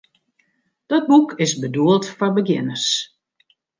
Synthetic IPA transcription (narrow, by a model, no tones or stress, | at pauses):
d̥ɔt̚bukʰɪsbəduəlˠtfɔrbəɡjɪ̰nərs